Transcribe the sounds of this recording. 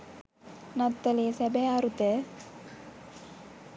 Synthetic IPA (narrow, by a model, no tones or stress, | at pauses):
nat̪ːəleːsɛbɛaɾut̪ə